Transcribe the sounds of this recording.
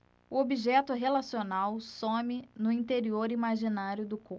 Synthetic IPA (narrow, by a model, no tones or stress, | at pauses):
ʊobiʒɛt̪ʊɦelasionawsõmɪnʊĩnt̪eɾioɾimaʒinaɾjʊd̪ʊko